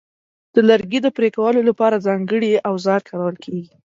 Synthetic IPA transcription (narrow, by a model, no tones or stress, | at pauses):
d̪̥əlaɾɡid̪əpɾekawəlolapɑɾazɑŋɡəɽiawzɑɾkaɾawəlkʰeɡi